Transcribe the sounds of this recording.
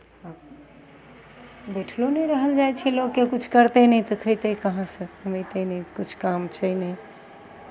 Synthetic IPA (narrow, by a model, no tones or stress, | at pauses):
ab | beʈʰlonəɾəɦəld͡ʒajt͡ʃʰɛlokːekut͡ʃʰkəɾt̪enɛjt̪əkʰəjt̪ekəɦãsə̃əməjt̪enɛkut͡ʃʰkamt͡ʃʰəjnɛj